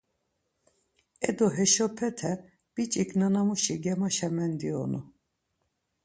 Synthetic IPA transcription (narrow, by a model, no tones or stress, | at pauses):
ɛd̪ɔɦɛʃɔpʰɛt̪ʰɛ | b̥it͡ʃʼiknanamuʃiɡɛmaʃɛmɛnd̪iɔ̰nu